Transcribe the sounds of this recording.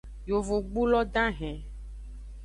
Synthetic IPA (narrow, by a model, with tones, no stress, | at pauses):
jo˨vo˨ɡ͡bu˦lɔ˦ɖã˦ɦɛ̃˨